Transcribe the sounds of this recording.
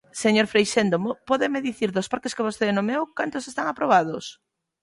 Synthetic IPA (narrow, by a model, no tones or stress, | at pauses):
seɲoɾfɾejʃend̪ompɔðɪmeðiθiɾðʊspaɾkeskeβosθenomewkant̪osest̪aŋapɾoβ̞aðʊs